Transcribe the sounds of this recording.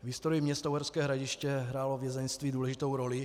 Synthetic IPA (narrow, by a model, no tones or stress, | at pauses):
vɦɪst̪oɾimɲɛst̪awɦɛɾskɛːɦɾaɟɪʃcɛɦɾaːlovjɛzɛnst̪viːduːlɛʒɪt̪o̞wɾolɪ